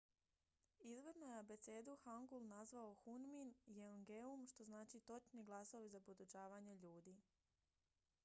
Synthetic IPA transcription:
izʋed̪nojeabe̞t̪se̞ːd̪uxaŋɡulˠnazʋaoxunminjeoŋɡeumʃt̪o̞znaːt͡ʃit̪o̞t͡ʃniɡlˠasoʋizapod̪ot͡ʃaːʋaɲeʎuːd̪iː

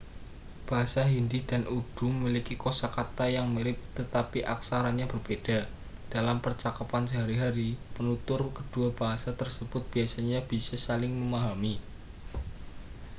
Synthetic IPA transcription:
b̥aɦasaɦindidanʔud̥uməmilikikosakat̪ajaŋmiɾɪp̚t̪ət̪apiʔaksaɾanɲab̥ərb̥ed̥a | d̥alampərt͡ʃakapansəɦaɾiɦaɾipənut̪ʊrkəd̥uab̥aɦasat̪ərsəb̥ʊt̪̚b̥iasaɲab̥isasalɪŋməmaɦami

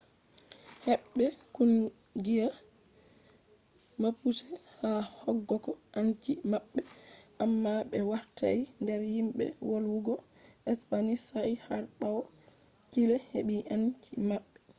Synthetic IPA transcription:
hɛɓːɛkun | ɡija | mapusɛhahɔɡːɔkɔʔankimaɓːɛʔamːaɓɛwaɾtʰa̰indɛɾhimɓɛ̰woluɡɔ | ɛspanisaihaɾɓaw | tilɛheɓiʔankimaɓːɛ

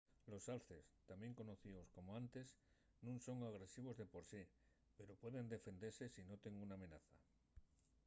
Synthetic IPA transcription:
lo̞salθe̞st̪amje̞ŋko̞no̞θiðo̞sko̞moant̪e̞s | nũnso̞ŋaɣ̞ɾe̞siβ̞o̞zðe̞po̞ɾsi | pe̞ɾo̞pwe̞ðe̞nd̪e̞fe̞nd̪e̞ɾse̞sino̞t̪e̞ŋuname̞naθa

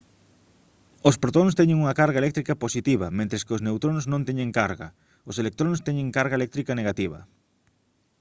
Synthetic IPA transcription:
ospɾot̪onst̪ɛɲɪŋuŋɐkaɾɣɐelɛk̚t̪ɾikɐposit̪iβɐmẽnt̪ɾeskɪoznewt̪ɾonznõnt̪eɲẽŋkaɾɣɐ | oselek̚t̪ɾonst̪ɛɲeŋkaɾɣaelɛk̚t̪ɾikɐneɣat̪iβ̞ɐ̰

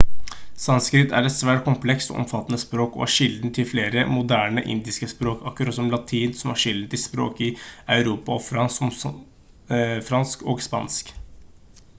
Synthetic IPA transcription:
sɑnskɾɪt̪æ̰ɾɛt̪sʋæːʈ̚kʰʊmpʰlɛkst̪ɔ̰ʔɔ̰mfɑt̪ːənəspɾoːkɔ̰ːhæʂɪld̪n̩t̪ʰɪlfleːɾəmʊd̪æːɳəʔɪ̰nd̪ɪskəspɾoːkɑkːɾɑt̪sɔmlɑt̪ʰiːnsɔmhɑʂɪld̪n̩t̪ɪlspɾo̰ːkɪɑʉɾuːpɑɔfɾɑnsɔm | fɾɑnskoːɡspɑ̰nsk

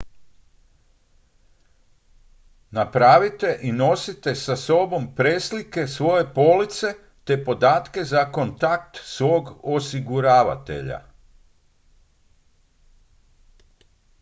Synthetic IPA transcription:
napɾaːʋit̪e̞ʔino̞sit̪e̞saso̞bo̞mpɾeːslike̞sʋo̞je̞po̞lit̪se̞ | t̪e̞po̞d̪aːt̪ke̞zako̞nt̪akt̪sʋo̞ːɡosiɡuɾaːʋa̰t̪e̞̰ʎa̰

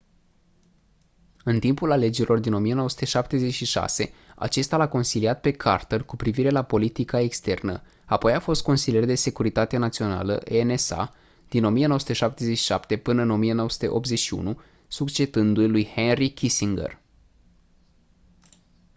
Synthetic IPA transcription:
ɨnt̪impulale̞d͡ʒeɾilo̞rd̪ino̞mije̞nowəsu̥t̪e̞ʃap̚t̪e̞ze̞t͡ʃʃiʃa̰se̞a̰t͡ʃe̞st̪alako̞nsiliat̪̚pe̞kʰart̪elkupɾiviɾe̞lapo̞lit̪ikae̞kst̪e̞rnə̰ | apo̞jafo̞st̪̚ko̞nsilije̞rd̪e̞se̞kuɾit̪at̪enat̪sio̞na̰lə̰ʔenesa̰ | d̪̥ino̞mijenooəsut̪eʃap̚t̪e̞zet͡ʃʃi̥ʃapt̪e̞pɨnəɨno̞mije̞no̞wəsut̪e̞ʔop̪̚ze̞ʃiṵnu | sukt͡ʃe̞d̪ɨnd̪ujelujhenrikʲisiŋɡḛr

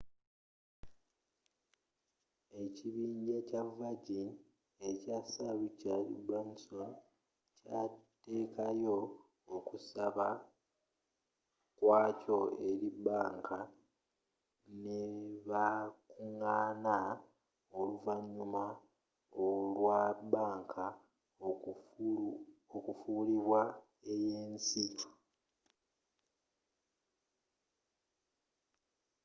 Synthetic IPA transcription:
e̞ciβiːɲɟecavaɟin | e̞casaβucalḭbanson | cate̞ːkajo̞ː | kusaβa | kwaːco̞eɾibaːŋkʰa | neβakuŋaːna | oluvaɲːuma | olwabaːŋkʰa | okufuːliβwa | e̞jeːnsi

